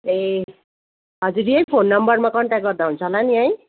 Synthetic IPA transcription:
e | ɦʌd͡zuɾiejpʰonːʌmbʌrmakʌɳʈak̚ɡʌrd̪aɦunt͡sʰʌlaniaj

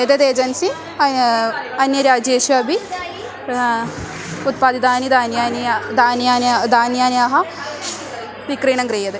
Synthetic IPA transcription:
ed̪ɐd̪eːd͡ʒɐnsi | ɐnjɐɾjaːd͡ʒeːʃuɐbʱi | ut̪̚paːd̪id̪aːnid̪aːnjaːnd̪aːnaːd̪aːnjaːnjaːɦɐ | ʋikɾiːɳɐŋɡɾeːjɐd̪e

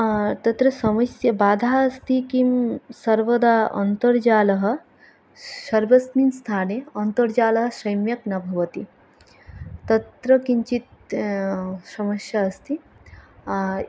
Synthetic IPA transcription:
t̪ɐt̪ɾɐsɐmɐsjɐbaːd̪ʱaːɐst̪ʰikimsɐɾʋɐd̪aːʔɐ̰nt̪ɐɾd͡ʒaːlɐɦɐ̆ | sɐɾʋɐsminst̪ʰaːneɐnt̪ɐɾd͡ʒaːlɐɦɐ̆sɐjmjɐknɐbʱɐʋɐt̪i | t̪ɐt̪ɾɐkiɲt͡ʃit̪̚ | sɐmɐsjaɐst̪ʰi

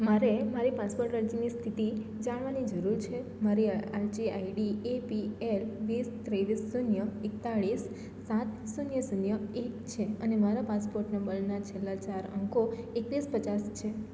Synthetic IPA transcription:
maɾemaɾipaspoɾʈəɾd͡ʒinist̪ʰit̪id͡ʒaɽ̃ʋanid͡ʒəɾuɾt͡ʃʰe | maɾiaɾd͡ʒiaiɖiepielʋist̪ɾeʋisːunjəekt̪aɭisː | at̪sunjəsunjəekt͡ʃʰeənemaɾapaspoɾʈnəmbəɾnat͡ʃʰelːat͡ʃaɾə̰ŋkoekʋispət͡ʃast͡ʃʰe

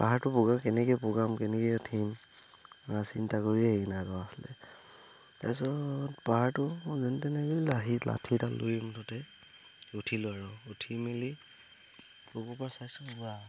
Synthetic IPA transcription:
paɦaɹtʊpɔɡakɛnɛkɛjpɔɡamkɛnɛkɛtʰim | asintakoɹiɛɡinaɹɔaslɛ̰ | ɛ̰sɔtpaɦaɹtʊzɛntɛnɛɡɔlaɦilʔa̰tʰiɹtalo̰jmtɔtɛ | utʰilʊaɹɔutʰimeli | pɔɡɔpasajsɔbuɡa

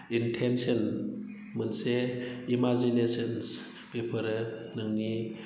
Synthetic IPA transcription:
intʰensən | mɯnseimazinesəns | bepʰəɾɯnɯŋni

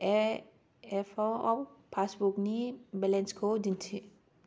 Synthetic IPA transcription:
ɛ | ɛfɔɔ̰pʰasbuknibɛlɛnskʰodint͡ʃʰi

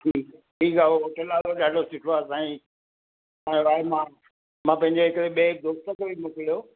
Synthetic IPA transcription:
ʈʰiːkʈʰiːkaooʈəlaːʋoɗaːɖʱosɪʈʰoaːsãːĩ | ãːʋaːemã | mãːpɐ̃ɦɪ̃ɲd͡ʑeɦɪkɾeɓed̪oːst̪əkobʱimʊkɪlijo

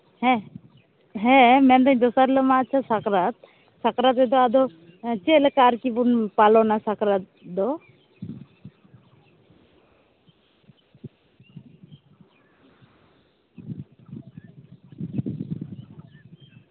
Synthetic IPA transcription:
hɛ̃ | ɦɛ̃mɛnd̪aɲd̪ɔsaɾlɔmaːt͡ʃʰasakɾat̪̚ | sakɾat̪̬ɛd̪ɔad̪ɔ | t͡ʃelkaɾkibunpalɔnasakɾat̪̚ | d̪ɔ

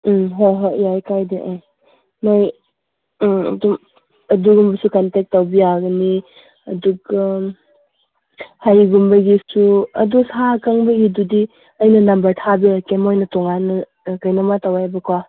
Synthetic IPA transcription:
ɦoɦɔjajkajdeʔaj | noj | ɐ̰dum | ɐduɡumbɐsukantek̚tːawbijaɡɐni | ɐduɡɐ | hajɡumbɐɡisuɐ̰dusakaŋbɐɡidudi | ɐjnɐnɐmbɐɾtʰabiakemojnɐtɔŋanɐ | kɐjnɐmatawajbɐkwa

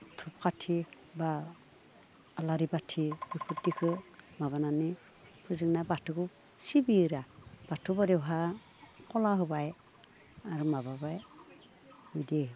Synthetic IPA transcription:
tʰupkatʰi | ba | laɾibatʰibupʰut̚dikʰɯmaβanani | pʰɯzɯŋnabatʰuku | sibiɾab̥atʰubɔdɛwɦa | kɔlaɦɯbaj | aɾumababaj | hujdi

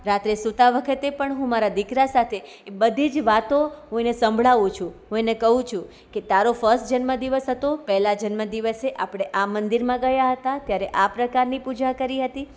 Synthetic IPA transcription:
ɾat̪ɾesut̪aʋəkʰət̪epəɳɦũmaɾad̪ikɾasat̪ʰe | bəd̪ʱid͡ʒʋat̪oɦũenesə̃mbʱɭaʋũt͡ʃʰũɦũenekəɦũt͡ʃʰũ | ket̪aɾofəɾstd͡ʒənməd̪iʋəsɦət̪opɛɦlad͡ʒənməd̪iʋəseʔapɽ̃eʔamənd̪iɾmãɡəjaɦət̪at̪jaɾeʔapɾəkaɾnipud͡ʒakəɾiɦət̪i

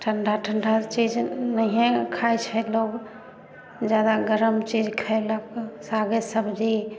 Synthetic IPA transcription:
ʈʰəɳɖʱaʈʰəɳɖʱat͡ʃid͡ʒnəɦẽkʰajt͡ʃʰɛloɡ | d͡ʒjad̪aɡəɾəmt͡ʃid͡ʒkʰaeləksaɡesəbd͡ʒe

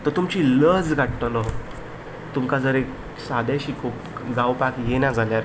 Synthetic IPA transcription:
t̪ət̪umt͡ɕiːləd͡zɡʱaʈʈ̪əlɔ | t̪umkad͡zəɾek | sad̪aɕiko | ɡawpakjenad͡zʱaljaɾ

